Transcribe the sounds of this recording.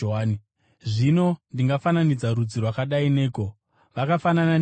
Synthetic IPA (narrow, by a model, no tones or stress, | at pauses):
oaːi | ʐino̞ndiŋɡafananid͡zarud͡zirwakaɗaine̞ːko̞ | ʋakafanana